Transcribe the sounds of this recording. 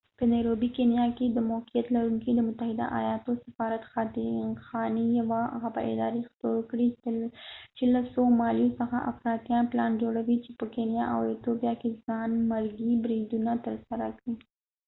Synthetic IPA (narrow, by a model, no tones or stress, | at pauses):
pənajɾobikenjɑked̪əmoqijat̪laɾuŋkid̪əmʊt̪ahɪd̪a̰ʔa̰jɑt̪osḁfɑɾat̪xɑd̪ɪnxɑnijawaɣaba̰ʔɪ̰d̪ɑɾext̪okɽi | t͡ʃelasomɑlijosəxaʔa̰fɾɑt̪jɑnplɑnd͡ʒoɽawit͡ʃepəkenjɑʔa̰wet̪obijɑkezɑnmaɾɡibɾid̪unat̪əɾsaɾakɽi